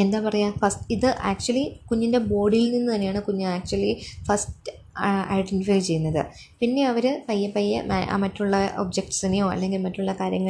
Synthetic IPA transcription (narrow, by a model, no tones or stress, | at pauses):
e̞nd̪aːpɐrɐjafɐstiðɨʔaːk̚t͡ɕuɐlikuɲːinde̞bo̞ːɖilninːut̪ɐnːe̞jaːɳɨkuɲːɨaːk̚t͡ɕuɐlifɐstɨ | a̰jɖentifɐlt͡ɕe̞jːunːɐðɨ̰ | pinːe̞ɐʋɐɾɨpɐjːɐpɐjːɐ̰m̰a̰ːmɐtːuɭːɐʔo̰ːbd͡ʑek̚ʈsɐnːejoːɐ̰lːe̞ŋɡilmɐtːuɭːɐkaːɾjɐŋːɐ